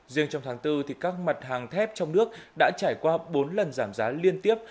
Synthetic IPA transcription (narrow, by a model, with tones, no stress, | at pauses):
zi˧əŋt͡ɕɔ˧wŋ͡mt̪ʰːŋt̪ɨ˧t̪ʰi˨˩kaː˦˥k̚ma˨˩t̚haː˨˩ŋt̪ʰɛ˦˥p̚t͡ɕɔ˧wŋ͡mnɨ˦˥ək̚ɗa̰ː˧˥t͡ɕaː˧˩jkwaː˧ɓo˨˦nlə˨˩nzaː˧˩mzaː˨˦li˧ənt̪i˦˥əp̚